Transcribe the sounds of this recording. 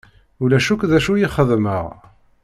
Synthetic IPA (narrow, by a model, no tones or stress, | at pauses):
ulæʃukðæʃujiχəðmə̰ʁ